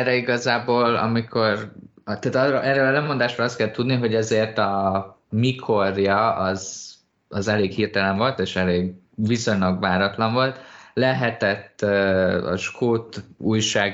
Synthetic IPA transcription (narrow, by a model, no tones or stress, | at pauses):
rɛiɡɒzaːboːlɒ̰mikʰo̞rt̪aːt̪ɒrʔɛrølɛmo̞nd̪aːʃɒlɒst̪kɛlt̪ːud̪niɦo̞ɟɛzeːrt̪ɒmikʰo̞rjɒɒz | ɒzɛleːkhiːrt̪ɛlɛɱvo̞lt̪eːʃɛleːɡ | viso̞ɲlɒɡʋaːɾɒt̪lɒɱvo̞lt̪lɛɦɛt̪ɛt̪ːøɒ̰ʃkʰoːt̪uːjʃaːɡ